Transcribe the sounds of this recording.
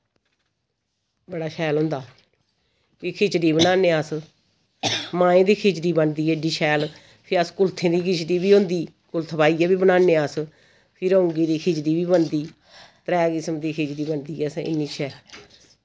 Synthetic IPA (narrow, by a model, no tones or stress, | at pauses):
bəɽaːʃʰɛːlɦʊ̃ːnd̪aː | pikʰeːt͡ʃɖiːbənãːneːaːs | mãːẽːd̪iːkʰeːt͡ʃɾiːbənd̪iːeɖiːʃʰɛːl | pʰɪɾəskʊlt̪ʰẽːd̪iːkʰɪt͡ʃɖiːbiːɦʊ̃ːnd̪iː | kʊlt̪ʰpaːiːɛːbiːbənãːneːaːs | pʰɪɾõʊŋɡiːd̪iːkʰeːt͡ʃd̪iːbiːbənd̪iː | t̪əɾɛːkɪsəmd̪iːkʰeːt͡ʃɾiːbənd̪iːɛːsɪ̰nːiːt͡ʃʰɛː